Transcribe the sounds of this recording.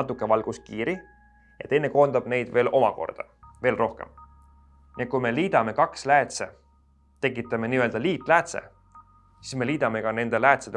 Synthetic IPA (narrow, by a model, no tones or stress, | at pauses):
ɑt̪ˑːukːˑe̞vɑlɡ̥us̚kiːɾi | jɑ̰t̪e̞jnːe̞ko̞ːnd̪ɑb̥ne̞jd̪̥ve̞ːlʔo̞mɑko̞̰rd̪̥ɑ̰ | ve̞ːlro̞hke̞̰m | niekujme̞liːd̪̥ɑme̞kɑkslæːt̪sḛ | t̪e̞k̬ːˑit̪ːˑɑme̞niːø̞ld̪̥ɑliːt̪ˑlæːt̪se̞̰ | sisme̞liːd̪̥ɑme̞kɑne̞nd̪elæːt̪sed̪